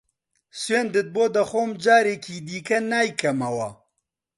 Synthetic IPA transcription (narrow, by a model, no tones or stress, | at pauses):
sweːnd̪ɨt̪̚boːd̪ɐxoːmd͡ʒaːɾeːkʰiːd̪iːkɐnaːjkʰɐmɐwɐ